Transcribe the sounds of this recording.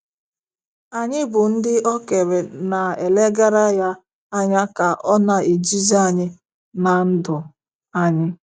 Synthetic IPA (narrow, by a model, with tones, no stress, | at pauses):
a˨ɲɪ˦bʊ˨n̩˦dɪ˦ʔɔ˦ke˨ɾe˨na˨e˨le˦ɡa˦ɾa˦ja˦ | a˦ɲa˦ka˨ʔɔ˦na˨e˨d͡ʒi˦za˦˨ɲɪ˦ | na˨n̩˦dʊ˨ | a˦ɲɪ˦